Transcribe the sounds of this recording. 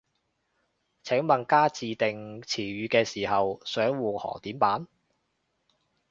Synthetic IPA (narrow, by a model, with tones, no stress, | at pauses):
t͡sʰɛː˨˥ŋmɐ˨˩nkaː˥t͡siː˨˧t̪ɪ˨ŋt͡sʰiː˨˩ɥyː˨˧kɛː˧siː˨˩hɐ˨wsœː˨˥ŋwuː˨hɔ̰ː˨˩t̪iː˨˥mpaː˨˥n